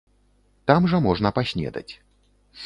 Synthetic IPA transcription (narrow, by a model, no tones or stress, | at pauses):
t̪amʐɐmɔʐnɐpasʲnʲɛ̰d̪ɐ̰t͡sʲ